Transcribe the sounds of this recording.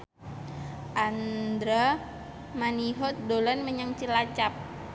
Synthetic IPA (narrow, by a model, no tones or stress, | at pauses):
ʔand̪ɾa | maniɦɔt̪̚dolanməɲaŋt͡ʃilat͡ʃap̚